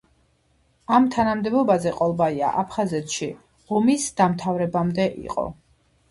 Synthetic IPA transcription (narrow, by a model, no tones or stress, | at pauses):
amt̪ʰanamd̪ɛbɔbazɛqʼɔlˠbaia̰ʔapʰχazɛt̪ʃi | ʁɔmisd̪amt̪ʰavɾɛbamd̪ɛʔḭqʼɔ̰